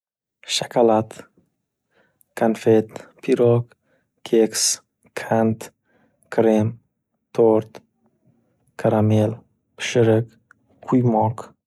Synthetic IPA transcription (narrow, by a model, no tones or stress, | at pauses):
ʃakʰalat̪ | kʰanfet̪pʰiɾɔk | kʰeks | kʰant̪ | kʰɾem | t̪ʰoɾt̪ | kʰaɾamel | pɨ̥ʃɨɾək | kʰujmɔk